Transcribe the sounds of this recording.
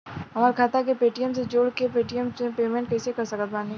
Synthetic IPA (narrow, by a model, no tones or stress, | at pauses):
ɦɐmaːɾkʰaːt̪akepeːʈijəmsed͡ʒoːɽkepeːʈijəmsẽpeːmẽɳʈ̚kɛːsekɐɾsɐkət̪̚baːnẽ